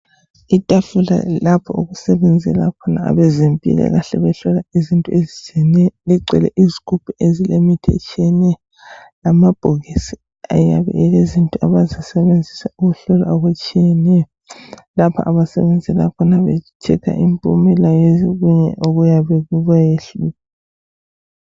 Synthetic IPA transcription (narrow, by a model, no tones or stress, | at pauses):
itʼafula̰lapʰɔ̰uɣusɛβɛnd͡zʱɛlakʰɔnaa̰βɛzempʼḭɣɛ̰ɣaɬɛβɛɬɔlaizintʼuezit͡ʃʰʼiɛnɛjɔliǀʱɛ̰lɛ̰ʔizikʰupʰiʔezilemitʰɛt͡ʃʰʼiɛnɛjɔ | lamab̥ʱoɣisi | a̰jaβɛ̰ɛɣezintʼuaβazisɛβend͡zʱisauɣuɬɔla̰oɣut͡ʃʼijɛnɛjɔlapʰa̰ʔaβasɛ̰βɛnd͡zʱɛlakʰɔnaβɛ̰tʰɛkʰa̰ʔimpʼṵmɛlajeziɣuɲɛ̰ʔoɣujaβɛɣuβajeɬua